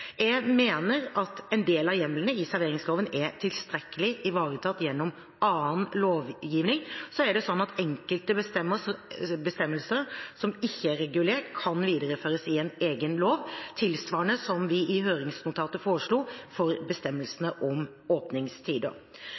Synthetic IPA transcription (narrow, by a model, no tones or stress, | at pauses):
ɛmeːnəɾɑt̪ɛɪnd̪eːlɑjɛmlənəɪsæɾʋeːɾɪŋsloːʋənɛt̪ʰɪlst̪ɾɛkːəlɪʔɪʋɑːɾət̪ʰɑːt̪jɛnːɔm | ʔɑːənloːʋjiːʋnɪŋsɔæɖɛsɔnːɑt̪ɛŋkəlt̪əst̪ɛmːəbəst̪ɛmːəlsəɾsɔmɪçːəæɾɛɡʉleːʈkʰɑnʋiːd̪əɾəføːɾəsɪɛneːɡənloːʋt̪ʰɪlsʋɑːəɳəsɔmʋɪʔɪɦøːɾɪŋsnʊt̪ʰɑːt̪əfoːɾəʂɭuːfɔɾbəst̪ɛmːəlsənəʔɔm | oːpnɪŋst̪ʰiːd̪ə̰